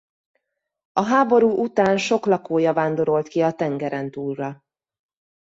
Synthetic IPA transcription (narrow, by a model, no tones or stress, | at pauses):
ɒɦaːbo̞ɾuːʔut̪aːnʃo̞klɒkoːjɒvaːnd̪o̞ɾo̞lt̪kiɒt̪ɛŋɡɛɾɛnt̪uːrːɒ